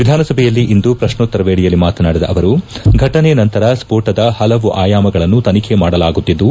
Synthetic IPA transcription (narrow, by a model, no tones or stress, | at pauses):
ʋid̪ʱaːnɐsɐbʱɛjɐlːiʔind̪upɾɐʂnot̪ːɐɾɐʋeːɽijɐlːimaːt̪ɐnaːɽid̪ɐʔɐʋɐɾuɡʱɐʈɐnenɐnt̪ɐɾɐspoːʈɐd̪ɐhɐlɐʋuʔaːjaːmɐɡɐɭɐnːut̪ɐnikʰemaːɽɐlaːɡut̪ːid̪ːu